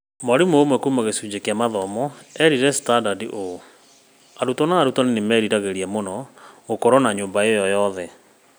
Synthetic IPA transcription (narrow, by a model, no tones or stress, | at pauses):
maɾimoːmwɛkumaɣesuːd͡ʑekjamaðɔmɔɛɾiɾɛstadadiʔo | aɾutɔnaːɾutanenemɛːɾiɾaɣeɾiamonɔɣokɔɾɔnaɲoːmbaejɔjɔðɛ